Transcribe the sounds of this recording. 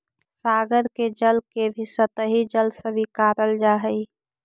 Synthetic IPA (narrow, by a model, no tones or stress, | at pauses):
saːɡəɾked͡ʒəlkebʱisət̪əɦid͡ʒəlsə̃bikaːɾəld͡ʒaːɦəi